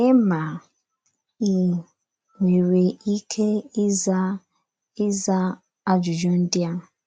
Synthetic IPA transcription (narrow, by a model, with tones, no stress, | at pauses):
e˦ma˨ | i˨ | ŋʷe˨ɾe˨i˦kʰe˦ɪ˦za˦ | ɪ˦za˦ | a˦d͡ʒʊ˨d͡ʒo˦n̩˦dɪ˦a˦˨